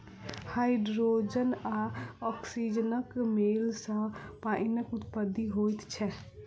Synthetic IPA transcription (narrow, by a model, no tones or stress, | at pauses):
haːɪɖɾod͡ʒənaɔksid͡ʒənəkmeːlsə̃paːɪnəkʊt̪pəd̪iɦoːjt̪t͡ʃʰɛ